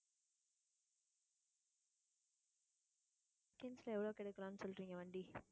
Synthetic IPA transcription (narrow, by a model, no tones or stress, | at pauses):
kːenslɐɛʋɐɭoːkɛɽɐkːɐɾaːnːɯsɔlɾiːŋɡɐʋɐɳɖi